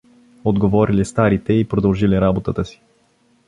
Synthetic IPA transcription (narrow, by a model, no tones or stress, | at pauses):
od̪ɡovɔɾilist̪aɾit̪ɛipɾod̪əlˠʒiliɾabot̪ət̪əsi̥